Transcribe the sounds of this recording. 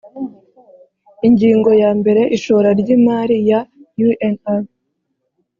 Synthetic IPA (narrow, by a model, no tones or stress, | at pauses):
iɲɟiːŋɡo̞jaːmbe̞ɾe̞ʔiʃoɾaɾɟiːmaːɾijajuʔena